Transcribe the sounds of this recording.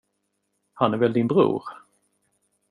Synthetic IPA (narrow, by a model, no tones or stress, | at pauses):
hanæɾvɛld̪ɪnbɾṵːɾ